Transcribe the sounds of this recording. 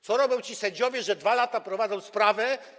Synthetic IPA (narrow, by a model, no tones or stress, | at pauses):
t̪sɔɾɔbʲjɔ̃w̃t͡ɕisɛɲʲd͡ʑɔvʲjɛʐɛd̪valat̪apɾɔvad̪zɔ̃w̃spɾavɛ